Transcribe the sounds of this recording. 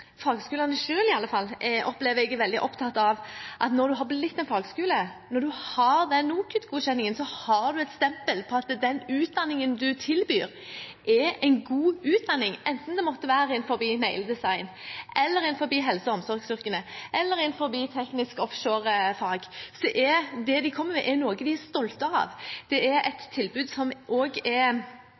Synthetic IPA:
fɑːɡəskʉːlɑnəʃøːlɪɑlːəfɑlːɔpːlɛːʋəɛɡʋɛld̪ɪʔɔpt̪ʰɑt̪ːɑʋʔɑt̪nɔɾd̪ʉɦɑblɪt̪ːɛɪnfɑːɡəskʉːlənɔɾd̪ʉhɑɾd̪ɛnːuːkʰʉt̪ɡuːɕɛnːɪŋənsɔhɑɾd̪ʉɛt̪st̪ɛmpəlpʰɔɑt̪d̪ɛnʉːt̪̚d̪ɑnːɪŋənd̪ʉt̪ʰɪlbyːɾ | ʔɛɛɪnɡuːʉːt̪̚d̪ɑnːɪŋɛnt̪n̩d̪ɛmɔt̪ːəʋæːɾəɪnfɔɾbiːnɛɪld̪ɛsɑɪnʔɛlːəɾɪnfɔɾbiːɦɛlsəɔmsɔɾɡsʏɾkənəʔɛlːəɾɪnfɔɾbiːt̪ʰɛknɪskɔfʃoːɾfɑːɡsɔd̪ɛʔɛd̪ɛd̪ɪkʰɔmːəɾmɛʔɛɾnoːɡəd̪ɪæst̪ɔlt̪ɑɑ̰ʋd̪̥ɛæɾɛt̪ʰːɪlbʉːd̪sɔmʔoːɡɛɾ

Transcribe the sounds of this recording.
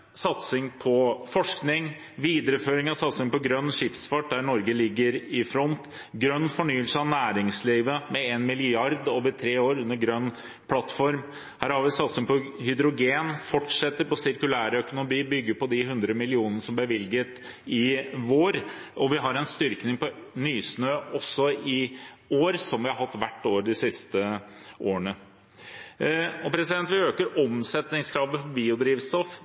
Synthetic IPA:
sɑt̪sɪŋpʰɔfɔʂknɪŋ | ʋiːd̪əɾəføːɾɪŋɑsɑt̪sɪŋpɔɡɾœnːʂɪfsfɑʈ̚d̪æɳɔɾɡəlɪɡːəɾɪfɾɔnt̪ | ɡɾœnːfɔɳyːəlsəɑʋnæːɾɪŋsliːʋəmɛeːnmɪlɪɑɾd̪oːʋəɾt̪ʰɾeːoːɾʉnːəɾɡɾœnː | pʰlɑt̪ːfɔɾm | hæːɾhɑɾʋɪsɑt̪sɪŋpɔhʏd̪ɾʊɡeːnfɔʈʂɛt̪ːəɾpɔsɪɾkʉlæːɾəœkʊnʊbiːbʏɡːəpɔd̪ɪhʉnd̪ɾəmɪlɪuːnənəʂɔmb̪æʋɪlɡət̪ | ɪʋoːɾɔʋɪɦɑɾɛnst̪ʏɾknɪŋpɔnyːsnøːɔsːɔɪoːɾsɔmʋɪhɑɾɦɑt̪ːʋæʈːoːɾd̪ɪsɪst̪əʔoːəɳə | ɔpʰɾɛsɪd̪ɛnt̪ʋɪøːkəɾɔmsɛt̪nɪŋskʰɾɑːʋəfɔbiːʊd̪ɾiːʋst̪ɔf

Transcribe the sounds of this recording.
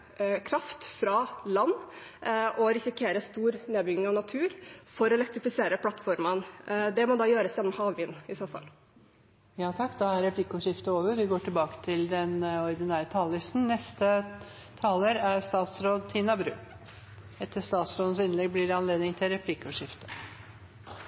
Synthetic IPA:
kʰɾɑft̪fɾɑlɑnː | ʔɔɾɪsɪkʰeːɾəst̪uːɾneːd̪bʏɡnɪŋɑʋnɑt̪ʰʉːɾfɔɾɔɛlɛkt̪ɾɪfɪseːɾəpʰlɑt̪fɔɾmənd̪ɛmɔd̪ɑːjøːɾəsjɛnːɔmhɑːʋʋɪnːɪsoːfɑ̰l | jɑːt̪ʰɑkːd̪ɑæɾɛplɪkːʊʂɪft̪əoːʋəɾʋɪɡoːʈʰɪlbɑːkə̥t̪ʰɪld̪ɛnɔɾd̪ɪnæːɾət̪ʰɑːllɪst̪n̩nɛst̪ət̪ʰɑːləɾæɾst̪ɑːt̪sɾoːd̪t̪ʰiːnɑbɾʉ̰ː | ɛt̪ːəʂt̪ɑːt̪sɾoːd̪n̩sɪnlɛɡ̚blɪɾɛɑnleːd̪nɪŋt̪ʰɪlɾɛpʰlɪkʊʂɪft̪ə̥

